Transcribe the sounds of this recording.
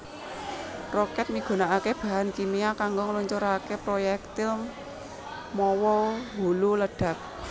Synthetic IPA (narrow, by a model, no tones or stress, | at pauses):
rɔkɛt̪̚miɡ̥o̤naʔakeb̥a̤ɦankimiakaŋɡoŋəluɲt͡ʃoɾakepɾojɛk̚t̪ɪl | mɔwɔɦululəɖ̥a̤k̚